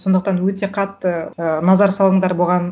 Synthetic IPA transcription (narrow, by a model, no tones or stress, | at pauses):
so̞nd̪əq̚t̪ɑnwɵt̪e̞qʰɑt̪ːənɑzɑɾsɑlˠəɴd̪ɑɾboʁɑn